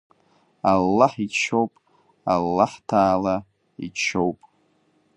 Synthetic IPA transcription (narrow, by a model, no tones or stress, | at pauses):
alːaħit͡ʃʰowpʼ | alːaħtʰaːla | ḭt͡ʃʰowpʼ